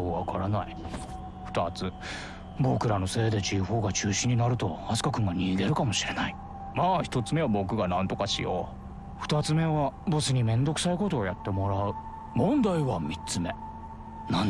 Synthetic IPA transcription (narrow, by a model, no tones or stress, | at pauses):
βakʰaɾanai | ɸɯ̥t̪at͡sɨ | bo̞kɯ̟ɾano̞se̞ːd̪e̞t͡ɕiɸo̞ːɡat͡ɕɨːɕĩɲ̟ːinaɾɯ̟t̪o̞asɨ̥kakɯ̟̃ŋɡaɲ̟ʲiːɡ̪e̞ɾɯ̟kamo̞ɕiɾe̞nai | maːçi̥t̪o̞t͡sɨme̞βabo̞kɯ̟ɡanãnt̪o̞kaɕḭjo̰ | ɸɯ̥t̪at͡sɨme̞βabo̞sɨɲ̟imẽ̞nd̪o̞kɯ̟̥saiko̞t̪o̞ːjat̪ːe̞mo̞ɾaɯ̟ | mõ̞nd̪aiβamʲit͡sɨme̞ | nãn